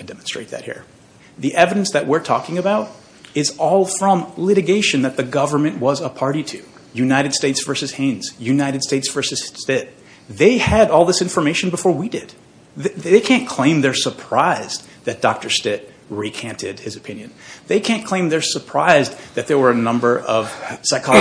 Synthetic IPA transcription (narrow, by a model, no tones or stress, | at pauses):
tʰɨdɛmn̩stɹ̥ḛɪt̪̚ðɨ̰t̚hḭɹ | ðiʔɛvɨɾɨ̃n̩sðɨt̚wɪɹtʰɔkɪ̃ŋɨbaʊɾ | ɪzɔlˠfɹʌ̃mlɪɾɨɡeɪʃɨ̃nðɨt̪̚ðɨɡʌvə˞mɨ̃nʔwʌzəpʰɑɹɾitʰʉ | jʉnaɪɾɨd̥steɪtsv̥ɜ˞sɨz̥hẽɪ̃nz̥jʉnaɪɾɨd̥steɪtsv̥ɜ˞sɨz̥tɪt̚ | ðeɪɨɾɔlˠðɪsɪ̃ɱfə˞meɪʃɨ̃n̩bəfɔɹwidɪd̪̥̚ | ðeɪkʰæ̃nkʰl̥ẽɪ̃mðə˞sə˞pʰɹ̥aɪz | ðɨt̚d̥ɑk̚tə˞stɪt̚ | ɹikʰæ̃ntʰɪd̚ɨzɨpʰɪ̃njɨ̃nðeɪkʰæ̃nkʰl̥ẽɪ̃mðə˞sə˞pʰɹ̥aɪzðɨt̪̚ðə˞wə˞ɨnʌ̃mbə˞ʔʌv̥saɪkʰɑ